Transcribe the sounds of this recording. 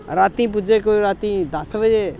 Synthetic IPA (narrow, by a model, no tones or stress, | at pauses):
ɾaːt̪ĩːp̬ʊd͡ʒekoiɾaːt̪ĩd̪asʋəd͡ʒe